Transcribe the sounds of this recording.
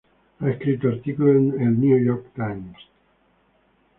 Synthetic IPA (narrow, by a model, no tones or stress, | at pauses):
aeskɾit̪oaɾt̪ikulenelniujɔɾkt̪ajms